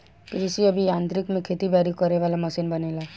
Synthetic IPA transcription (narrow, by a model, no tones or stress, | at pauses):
kɾɪsiəbʱijãːnt̪ɾɪkmẽkʰet̪ibaɾikɔɾeʋaːlamɐsinbənela